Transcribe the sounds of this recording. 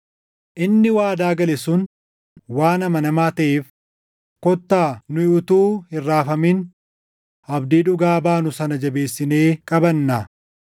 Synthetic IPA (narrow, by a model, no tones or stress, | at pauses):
ʔɪnːɪwaːd̪aːɡɐlɛsʊn | waːnɐmɐnɐmaːt̪ɐʔeːf | kɔt̪ːaːnʊjɪʔʊt̪uːhɪrːaːfɐmin | ɐbd̪iːᶑʊɡaːbaːnʊsɐnɐd͡ʒɐbe̞ːsːɪneːkʼɐbɐnːɐ